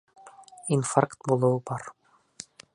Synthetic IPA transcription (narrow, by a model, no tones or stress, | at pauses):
infarkt̪bulˠɤ̆wɤbɑɾ